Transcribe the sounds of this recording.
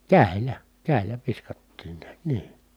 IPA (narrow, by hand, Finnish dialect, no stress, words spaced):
kæˑi̯lˑæ kæˑi̯lˑæ ʋiskɑtːiːn niæt niː